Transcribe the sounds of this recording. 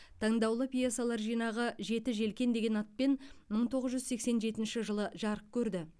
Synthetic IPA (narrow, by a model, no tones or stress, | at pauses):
t̪ʰɑɴd̪ɑwlˠəpijasɑlˠɑɾʒijnɑʁəʒe̞t̪ɪʒe̞lkʲe̞nd̪e̞ɡʲe̞nɑt̪̚penməɴt̪ʰo̞ʁəzʒʏzse̞kse̞nʒe̞t̪ɪnʃɪʒəlˠəʒɑɾəq̚kʲʰɵɾd̪ɪ